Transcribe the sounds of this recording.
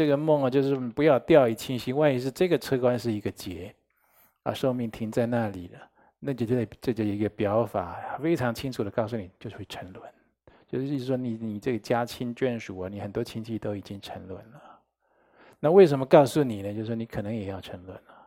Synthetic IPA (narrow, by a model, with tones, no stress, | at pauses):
ʈ͡ʂɤ˥˩ɡə˩˨mʊ˥˩ŋə˩t͡ɕjo˥˧ʂɻ̩˥˩pu˧˥jɑ˥˧ʊt̪jɑ˥˧ʊi˨˩t͡ɕʰi˥nɕi˥wa˥˩ni˧˥ʂ̬ɻ̩˥˧ʈ͡ʂɤ˥˩ɡə˩ʈ͡ʂʰɤ˥kwa˥nʂɻ̩˥˩i˧˥ɡə˧t͡ɕjɛ˧˥ | ə̰˧ʂo˥˧ʊmi˥˩ŋt̪ʰi˧˥ŋt͡sa˥˧ɪna˥˩li˨˩lə˦ | na˥˩t͡ɕjo˥˧˩ʈ͡ʂt͡ɕə˥˩˨i˧˥ɡə˧pjɑ˧˥ʊfa̰˨˩˦fe˥ɪʈ͡ʂʰɑ˧˥ŋt͡ɕʰi˥ŋʈ͡ʂʰu˨˩d̪ə˦kɑ˥˧ʊs̬u˥˩ni˨˩t͡ɕjo˥˧ʊ˥we˥˩ʈ͡ʂʰə˧˥ŋlwə˧˦n | t͡ɕjo˥˧ʊʂ̩˥˧˥ʂ̩˥˩ʂwɔ˥ni˨˩ni˨˩ʈ͡ʂɤ˥˩ɡə˩t͡ɕja˥t͡ɕʰi˥nt͡ɕɥɛ˥˩nʂu˨˩ɐ˦ni˨˩xə˨˩nt̪wɔ˥t͡ɕʰi˥nt͡ɕʰi˥˧t̪o˥ʊi˨˩t͡ɕi˦˥ŋʈ͡ʂʰə˧˥ŋlwə˧˩nlə˨ | na˥˧we˥ɪʂə˧˥nmə˧kɑ˥˧ʊsu˥˩ni˨˩nə˦t͡ɕjo˥˧ʊʂ̩˥˩ʂ̬ni˧˥kʰɤ˨˩nə˧˥ŋjɛ˨˩jɑ˥˩ʊʈ͡ʂʰə˧˥ŋlwə˧˩˦nlə˩